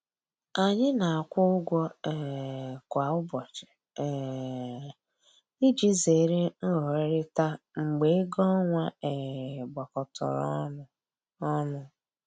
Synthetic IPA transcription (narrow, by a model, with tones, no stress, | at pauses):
a˨ɲɪ˦na˨a˨kʷʊ˦ʊ˦ɡʷɔ˦ɛ˨kʷa˨ʊ˦bɔ˨t͡ʃɪ̥˨ | i˦d͡ʒi˦ze˨ɾe˦n̩˦ɦɔ˨˦ɾɪ˦ta˦ | ŋ͡m̩˨ɡ͡be˨˦ɡɔ˦ŋʷa˦e˨ɡ͡ba˨kɔ˨tʰɔ̰˨ɾ̰ | ɔ˦nʊ˨